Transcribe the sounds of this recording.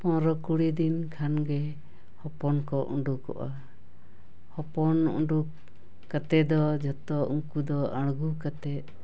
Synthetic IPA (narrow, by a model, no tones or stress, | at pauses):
pɔɾɔkuɽid̪inkʰanɡɛ | hɔpɔnkɔʔṵɳɖukɔ̰ʔa | hɔpɔnṵɳɖukː | at̪ɛd̪ɔd͡ʒɔt̪ɔuŋkud̪ɔaɽ̃ɡukat̪ɛt̪̚